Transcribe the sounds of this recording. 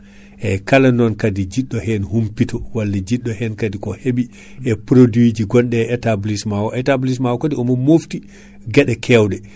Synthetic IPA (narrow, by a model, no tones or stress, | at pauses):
ʔɛkalanɔnkadid͡ʒiɗːɔhɛnhumpitɔwalːad͡ʒiɗːɔhɛnkadikɔhebi | ʔɛpɾodwid͡ʒiɡɔnɗɛɛtablismawɔʔɛtablis̬mawɔkotiɔmɔmofti | ɡɛɗɛkʰɛwɗɛ